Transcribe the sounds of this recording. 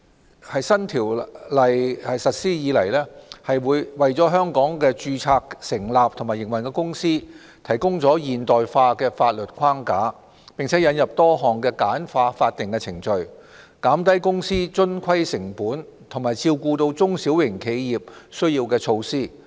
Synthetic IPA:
hɐ˨jsɐ˥nt̪ʰiː˨˩wlɐ˨jhɐ˨jsɐ˨t̚siː˥jiː˨˧lɐ˨˩jlɛː˥hɐ˨jwuː˨˧jwɐ˨jt͡sɔː˨˥ɦœː˥ŋkɔː˨˥ŋkɛː˧t͡ʃyː˧t͡sʰaː˧k̚sɪ˨˩ŋlaː˨p̚t̪ʰʊ˨˩maː˨jɪ˨˩ŋwɐ˨˩nkɛː˧˥kʊ˥ŋsiː˥ | t̪ʰɐ˨˩jkʊ˥ŋt͡sɔː˨˥jiː˨˩nt̪ɔː˨jfaː˧kɛː˧faː˧t̚lɵ˨t̚kʷʰwaː˥ŋkaː˨˥ | pɪ˨ŋt͡sʰɛ˨˥jɐ˨˧˥njɐ˨p̚t̪ɔː˥ɦɔː˨ŋkɛː˧kaː˨˥nfaː˧faː˧t̚t̪ɪ˨˩ŋkɛː˧t͡sʰɪ˨˩ŋt͡ʃɵ˧ɥ | kaː˨˥mt̪ɐ˥jkʊ˥ŋsiː˥t͡sɵ˥nkʷʰɐ˥jsɪ˨˩ŋpuː˨˥nt̪ʰʊ˨˩maː˨jt͡siː˧wkuː˧t̪o˧wt͡sʊ˥ŋsi˨˥wjɪ˨˩ŋkʰe˨˧jjiː˨˩p̚sɵ˥ɥjiː˧wkɛː˧t͡sʰo˧wsiː˥

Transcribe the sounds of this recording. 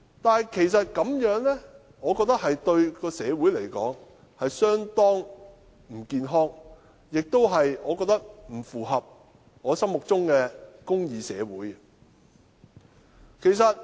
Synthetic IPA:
t̪aː˨nkʰe˨˩jsɐ˨t̚kɐ˨˥mjœː˨˥ŋlɛ˥ | ŋɔː˨˧kɔː˧k̚t̪ɐ˥k̚hɐ˨jt̪ɵ˧ɥkɔː˧sɛː˨˧wuː˨˥jle˨˩jkɔ̰ː˨˥ŋ | hɐ˨jsœː˥ŋt̪ɔː˥ŋ | m̩˨˩kiː˧nɦɔː˥ŋ | jɪ˨k̚t̪o˥wɦɐ˨jɔː˨˧kɔː˧k̚t̪ɐ˥k̚m̩˨˩fuː˨ɦɐ˨p̚ | ŋɔː˨˧sɐ˥ŋmʊ˨k̚t͡sʊ˥ŋkɛː˧kʊ˥ŋjiː˨˧sɛ̰ː˨˧wuː˨˥j | kʰe˨˩jsɐ˨t̚

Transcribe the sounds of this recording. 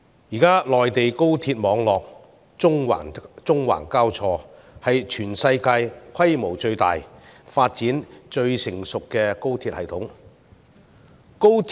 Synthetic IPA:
jiː˨˩kaː˥lɔː˨jt̪e˨jko˥wt̪ʰiː˧t̚mɔː˨˧ŋlɔː˨k̚ | ʊ˥ŋwa̰ː˨˩t͡sʊ˥ŋwa̰ː˨˩nkaː˥wt͡sʰɔː˧ | hɐ˨jt͡ʃʰyː˨˩nsɐ˧jkaː˧jkʰwɐ˥jmo˨˩wt͡ʃɵ˧ɥt̪a̰ː˨jfaː˧t̚t͡siː˨˥nt͡ʃɵ˧ɥsɪ˨˩ŋsʊ˨kːɛː˧ko˥wt̪ʰiː˧t̚hɐ̰˨jt̪ʰʊ˨˥ŋ | ko˥wʰ

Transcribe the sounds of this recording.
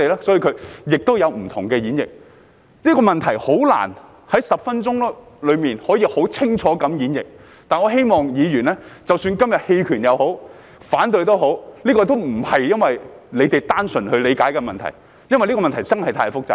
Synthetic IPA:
e˨lɛː˥sɔ˨˥jiː˧kʰɵ˨˧jɪ˨k̚t̪o˥wjɐ˨˧wm̩˨˩t̪ʰʊ˨˩ŋkɛː˧jiː˨˥njɪ̰˨k̚ | niː˥kɔː˧mɐ˨nt̪ʰɐ˨˩jho˨˥wla̰ː˨˩n | hɐ˨˥jsɐ˨p̚fɐ˥nt͡ʃʊ˥ŋ˥ | lɵ˨˧ɥmiː˨nhɔː˨˥jiː˧ho˨˥wt͡sʰɪ˥ŋt͡ʃʰɔː˨˥kɐ˨˥mjiː˨˥njɪ˨k̚ | t̪aː˨˩nɔː˨˧ɦe˥jmɔː˨ŋjiː˨˧ɥyː˨˩nlɛː˥t͡sɐ˨wsyː˧nkɐ˥mjɐ˨˩t̚he˧jkʰyː˨˩njɐ˨˧who˨˥w | faː˨˥nt̪ɵ˨˧ɥt̪o˥wɦo˨˥wliː˥kɔː˧t̪o˥wm̩˨˩hɐ˨jjɐ˥nwɐ˨jle˨˧jt̪e˨jt̪aː˥nsɵ˨˩nhɵ˧ɥle˨˧kaː˨˥jkɛ˧mɐ˨nt̪ʰɐ̰˨˩j | jɐ˥nwjliː˥kɔː˧mɐ˨nt̪ʰɐ˨˩jt͡sɐ˥ŋhɐ˨˩jt̪ʰaː˧˥jfʊ˥k̚t͡sa̰ː˨˧

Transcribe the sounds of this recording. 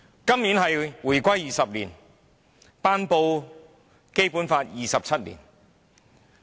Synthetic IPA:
kɐ˥mniː˨˥nɦɐ˨jwuː˨˩jkʷɐ˥jiː˨˩sɐ˨p̚liː˨˩n | paː˥npo˧w | ke˥jpuː˨˥nfaː˧t̚jiː˨sɐ˨p̚t͡sʰɐ˥t̚lḭː˨˩n

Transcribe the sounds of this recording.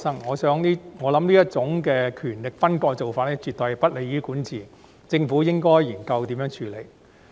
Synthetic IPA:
sɐ˥ŋːɔː˨˧sœː˨˥ŋniː˥ŋɔː˨˧lɐ˨˥mniː˥jɐ˥t̚t͡sʊ˨˥ŋkɛː˧kʰyː˨˩nlɪ˨k̚fɐ˥nkɔː˧t͡so˨wfaː˧t̚lɛː˥t͡ʃyː˨t̪̚ɔː˨jpɐ˥t̚le˨˧jyː˨˥kuː˨˥nt͡sʰiː˨ | t͡sɪ˧ŋfu˨˥jɪ˥ŋkɔː˥jjiː˨˩nkɐ˧wt̪i˨˥mjœː˨˧˥ŋt͡ʃʰyː˧le˨˧˩j

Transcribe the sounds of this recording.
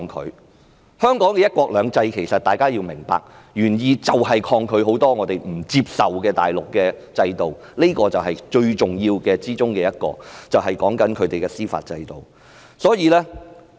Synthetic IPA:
ŋkʰɵ̰˨˧ɥ | hœː˥ŋkɔː˨˥ŋkɛ˧jɐ˥t̚kʷwɔː˧˥k̚lœː˨˧ŋt͡sɐ˧jkʰe˨˩jsɐ˨t̚t̪aː˨˩jkaː˥ji˧wmɪ˨˩ŋpa̰ː˨k̚ | jyː˨˩njiː˨˧t͡sɐ˨wɦɐ˨jkʰɔː˧ŋkʰɵ˨˧ɥɦo˨˥wt̪ɔː˥ŋɔː˨˧t̪e˨˩jm̩˨˩t͡siː˧p̚sɐ˨wkɛː˧t̪a̰ː˨˩jlʊ˨kːɛː˧t͡sɐ˧jt̪o˨w | ne˥kɔː˧t͡sɐ˨wɦɐ˨jt͡ʃɵ˧ɥt͡ʃʊ˨ŋjiː˧wkɛː˧t͡siː˥t͡sʊ˥ŋkɛː˧jɐ˥t̚kɔ̰ː˧t͡sɐ˨wɦɐ˨˩jkɔː˨˥ŋkɐ˨˥nkʰɵ˨˧ɥt̪e˨jkɛː˧siː˥fa̰ː˧t̚t͡sɐ˧jt̪o˨˩w | sɔː˨˥jiː˧lɛː˥

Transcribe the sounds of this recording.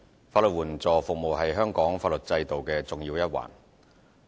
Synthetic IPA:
faː˧tlɵ˨t̚wuː˨˩nt͡sɔː˨fʊ˨k̚mo˨wɦɐ˨jɦœː˥ŋkɔː˨˥ŋfaː˧t̚lɵ˨t̚t͡sɐ˧jt̪o˨wkɛː˧t͡sʊ˨ŋjiː˧wjɐ˥t̚wa̰ː˨˩n

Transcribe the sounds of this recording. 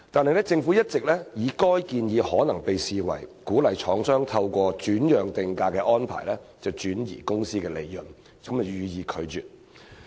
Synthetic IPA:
t̪aː˨nhɐ˨jlɛ˥t͡sɪ˧ŋfuː˨˥jɐ˥t̚t͡sɪ˨k̚lɛː˥jiː˨˧kɔː˥jkiː˧njiː˨˧hɔː˨˥nɐ˨˩ŋpe˨jsiː˨wɐ̰˨˩jkuː˨˥lɐ˨˩jt͡ʃʰɔː˨˥ŋsœː˥ŋt̪ʰɐ˧wkʷɔː˧t͡ʃyː˨˥njœː˨ŋt̪ɪ˨ŋkaː˧kɛː˧ʔɔː˥npʰa̰ː˨˩jlɛː˥t͡sɐ˨˩wt͡ʃyː˨˥njḭː˨˩kʊ˥ŋsiː˥kɛː˧le˨˧jːʊ˨n | kɐ˨˦mt͡sɐ˨˩wjyː˨˧jiː˨˧kʰɵ˨˧ɥt͡ʃyː˨t̚

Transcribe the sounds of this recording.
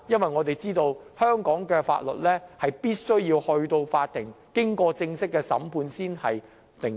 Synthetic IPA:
jɐ˥nwɐ˨jŋɔː˨˧t̪e˨jt͡siː˥t̪o˧whœː˥ŋkɔː˨˥ŋkɛː˧fa̰ː˧t̚lɵ̰˨t̚lɛː˥hɐ˨jpiː˥t̚sɵ˥ɥjiː˧whɵ˧ɥt̪o˧wfaː˧t̚t̪ːɪ˨˩ŋkɪ˥ŋkɔː˧t͡sɪ˧ŋsɪ˥kːɛː˧sɐ̰˨˥mpʰuː˧nsiː˥nhɐ˨j | t̪ɪ˨˩ŋ

